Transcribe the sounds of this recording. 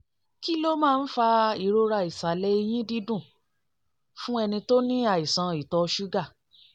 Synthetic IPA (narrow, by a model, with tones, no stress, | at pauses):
ki˦lo˦mãː˦˧n̩˦fa˧i˨ɾo˧ɾa˧˨i˨sa˨lɛ˧˦i˧j̃ĩ˦di˦dũ˦˨ | fũ˦ɛ˧nĩ˧to˦nĩ˦a˦˨i˨sã˨˧i˨tɔ˧ʃu˦ɡa˦˨